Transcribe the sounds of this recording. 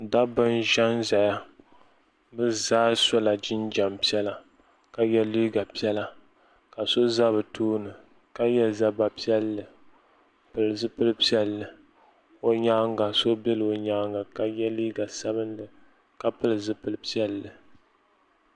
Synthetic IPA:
da˦bɨ˦nʒa˦nza˨ja˦ | bɨ˦zaː˦so˦la˨d͡ʒɪ˦nd͡ʒa˨mpi˦ɛ˦la˨ | ka˨jɛ˦liː˦ɡa˨pi˦ɛ˦la˦ | ka˨so˦za˦βɨ˨tʰuː˦nɨ˨ | ka˦jɛ˦lza˦ba˨pi˦ɛ˦lːɨ˨ | pɨ˨lɨ˨zɨ˦pɨ˦lɨ˦pi˦ɛ˦lːɨ˨ | o˨ɲaː˦ŋ˦ɡa˨so˦bɛ˦lɨ˨o˨ɲa˦ŋɡa˨ka˨jɛ˦liː˦ɡa˨sa˦βɨ˦n˦dɨ˨ | ka˦pɨ˦lɨ˨zɨ˦pɨ˦lɨ˦pi˦ɛ˦lːɨ˨

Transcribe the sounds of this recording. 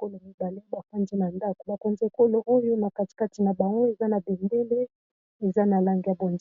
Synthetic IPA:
ko˦lo˨mi˦ba˨li˦ba˨pa˦nzi˦na˨nda˦ko˨ba˨ko˨nze˨ko˦lo˨ʔo˦jo˦na˨ka˨ti̥˨ka˦ti˨na˨ba˨ŋɡo˦e˨za˦na˨be˨mbe˦le˦ | e˨za˦na˨la˦ŋɡi˨ja˨bo˨nz

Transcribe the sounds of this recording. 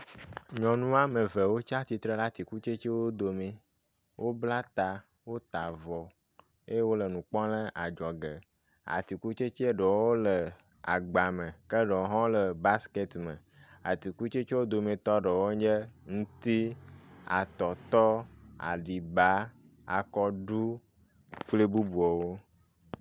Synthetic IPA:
ɲɔ̃˨nũ˦a˦mə˨və˨wo˦t͡ʃa˦t̪i˨t̪ɾe˦la˦t̪i˨ku˦t͡ʃe˦t͡ʃe˦wo˦d̪o˨mẽ˨ | wʔo˦bla˦t̪a˨ | wo˦t̪a˨vɔ˨ | e˦wo˦lə˨nũ˨k͡pɔ̃˦lə̃˦ʔa˨d͡ʒɔ˨ɡə˨ | a̰˨t̪i˨ku˦t͡ʃe˦t͡ʃe˦e˦ɖə˨wo˦lə˨ | a˨ɡ͡ba˨mə˨kə˦ɖə˨˦ɦɔ̃˦lə˨ba˦ske˦t̪mə˨ | a̰˨t̪i˨ku˦t͡ʃe˦t͡ʃe˦wo˦d̪o˨me˨t̪ɔ˦ɖə˨wo˦d͡ʒə˦ŋũ˦t̪i˦a̰˨t̪ɔ˨t̪ɔ˦a̰˨ɖi˨ba˦ | a̰˨kɔ˦ɖu˦ | k͡ple˦bu˦bu˨ɔ˨wo˦

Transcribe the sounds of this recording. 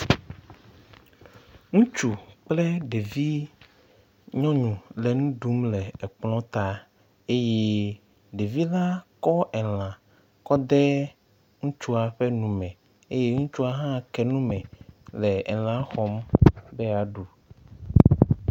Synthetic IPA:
ŋũ˦t͡ʃu˨k͡plɛ˦ɖe˨vi˦ | ɲɔ̃˦ɲũ˨lɛ˨ŋũ˦ɖu˨˦mlɛ˨ɛ˨k͡plɔ̃˦t̪a˨ | e˦je˦ | ɖe˨vi˦la˦kɔ˦ɛ˨l̃ã˨ | kɔ˦d̪ɛ˦ | ŋũ˦t͡ʃu˦a˨ɸɛ˦nũ˨mɛ̃˨ | e˦je˦ŋũ˦t͡ʃu˦a˦ɦã˦˨kɛ˨nũ˦mɛ̃˨lɛ˨ɛ̰˨l̃ã˨˦xɔ˦mbɛ˦a˨ɖu˨

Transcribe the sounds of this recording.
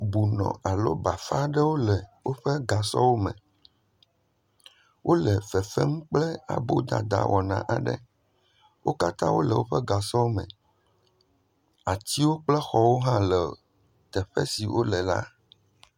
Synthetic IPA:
bu˨nɔ̰̃˨a˨lo̰˦ba˨fa˦ɖɛ˦wo˦lɛ˨wo˦ɸɛ˦ɡa˨sɔ̰˦wo˦mɛ̰̃˨ | wʔo˦lɛ˨fɛ˨fɛ˦ŋũ˦k͡plɛ˦a̰˨bo˦d̪a̰˨d̪a̰˨wʔɔ˨nã̰˨ʔa˨ɖɛ̰˦ | wʔo˦ka˦t̪ã˦wo˦lɛ˨wo˦ɸɛ˦ɡa˨sɔ˦wo˦mɛ̰̃˨ | a˨t͡ɕ̪i˦wo˦k͡plɛ˦xɔ˦wo˦ɦã˦lɛ˨ | t̪ɛ˨ɸɛ̰˦si˨wʔo˦lɛ˨la̰˦

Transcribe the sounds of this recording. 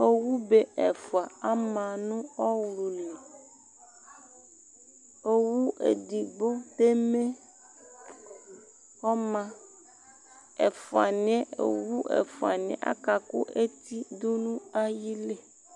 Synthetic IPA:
o˦wu˦be˦e˨fu˨a˨a˦mã˨nũ˦ɔ˦wlo˨li˨ | o˦wu˦ʔḛ˨di˨bo˦d̪e˦me˦ | ɔ˦mã˦ | e˨fo˨a̰˨n˦ɛ̃˦o̰˨wu˦ʔḛ˨fo˨a̰˨n˨ɛ̰̃˨ʔa̰˦ka˨ko̰˦ʔe˦t̪i˦d̪o˦nũ˦a˦ji˦le˦

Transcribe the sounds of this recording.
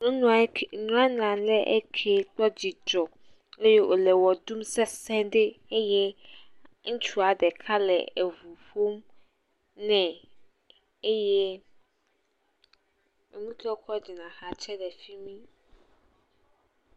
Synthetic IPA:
nũ˦nũ˦˨nũ˦a˦nã˨lɛ˦ʔe˦kʰe˨k͡pɔ˦d͡ʑi˨d͡ʒɔ˨ | le˦je˦ʔo˨lɛ˨wɔ˨du˦msɛ˦sɛ̃˦ɖe˦e˦jɛ˦ | ŋ̩̃˦t͡ʃu˦a˨ɖɛ˨kʰa˦lɛ̰˨e˨vu˨ɸo˦m | nɛ̃˨ | e˦jɛ˦ | e˨nũ˦tɔ˦kɔ˦d͡ʑi˨nã˨xa˦t͡ʃɛ˦dɛ˨fi˦mĩ˦

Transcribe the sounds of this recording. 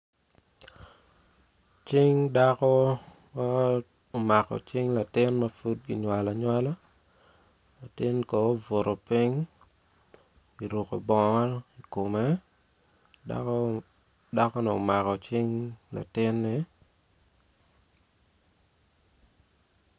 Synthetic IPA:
t͡ʃɪ˦ŋda˦kɔ˦ | ma˦ | o˨ma˨kɔ̰˨t͡ʃɪ˦ŋla˨tɪ˦nmɐ˦fu˦t̚ɡi˨ɲwa˨la˨ɲwa˦la˦ | la˨tɪ˦nko˨o˦vo˨ɾo˨pɪ˦ŋ | i˨ɾo˨ko˨bɔ˨ŋɔ˦i˨ko˨me˦ | da̰k | da˦kɔ˦nɛ˨o̰˨ma˨kɔ˨t͡ʃɪ˦ŋla̰˨tɪ˦nːɪ˨

